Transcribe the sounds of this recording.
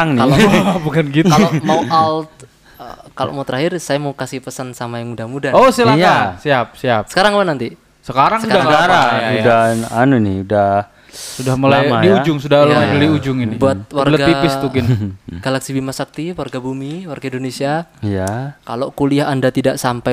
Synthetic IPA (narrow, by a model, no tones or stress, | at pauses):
aŋnɪalbukankit̪alomaualt̪ | kalo̰ʔmaut̪əɾaɦɪrsajamaukasɪhpəsansamajaŋmudahmudaosilajasiap̚siapsə̥kaɾaŋapanant̪i | səkaɾaŋsəadaaaɾaudananunɪudah | sudahməlamadiud͡ʒʊŋsudalaəliud͡ʒʊŋibbuat̪̚warləɡaipɪst̪ukɪnɡ̥alaksibimasak̚t̪iwarɡabumiwarɡaindonesiaijakaloʔkuliaɦandat̪idaʔsampa